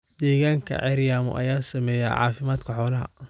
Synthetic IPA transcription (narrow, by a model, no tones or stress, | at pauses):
d̪ɛːɣaːŋkʰɐ̰ʕɛɾjaːmʊ̰ʔɐ̰jaːsɐmɛːjɛ̰ʕɑ̰ːfɪmaːd̪kʰɐħɔːlɐɦɐ̰